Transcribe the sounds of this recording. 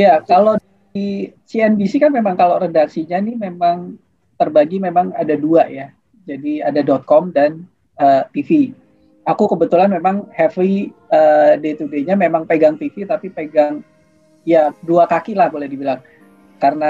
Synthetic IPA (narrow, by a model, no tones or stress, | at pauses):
jakalo | isiɛnbisikanmemaŋkaloredaksiɲanimemaŋ | t̪ərbaɡimemaŋadaduaʔja | d͡ʒadiadadɔt̪̚kɔmdan | əːt̪ifi | akukəbət̪ulanmemaŋhɛfiəːdet̪udeɲamemaŋpeɡaŋt̪ifit̪apipeɡaŋ | jaduakakilahbolɛhdibilaŋ | karəna